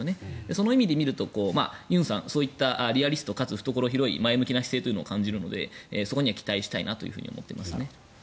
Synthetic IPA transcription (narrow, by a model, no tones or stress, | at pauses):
ne̞d̪e̞so̞no̞imʲid̪e̞mʲiɾɯ̟t̪o̞ko̞ːma̰jɯ̟̃ɰ̃sã̰ñsoːit̪ːaʔaɾʲiaɾʲisɨ̥t̪o̞kat͡sɨɸɯ̟̥t̪o̞ko̞ɾo̞çiɾo̞ḭmae̞mɯ̟kʲinaçi̥se̞ːt̪oiɯ̟nookãɲ̟d͡ʑiɾɯ̟no̞̰d̪e̞̰eso̞ko̞ɲ̟iβakʲi̥t̪aiɕi̥t̪aḭnat̪o̞jɯ̟ɸɯ̟̰ɲ̟ḭomo̞t̪ːḛmasɨne̞